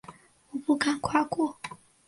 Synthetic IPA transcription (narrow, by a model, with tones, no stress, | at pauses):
u˨pu˨ka˨ŋ˨kwa˦kɔ˦